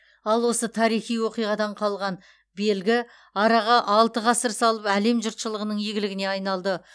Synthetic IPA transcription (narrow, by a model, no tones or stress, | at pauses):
ɑlˠwo̞sət̪ʰɑɾijχijwo̞qijʁɑd̪ɑɴqʰɑlˠʁɑn | be̞lɡʲɪ | ɑɾɑʁɑʔɑlˠt̪əʁɑsəɾsɑlˠəpæle̞mʒʊɾt̪ʃəlˠəʁənəɴjeɡʲɪlɪɡʲɪne̞ɑjnɑlˠd̪ə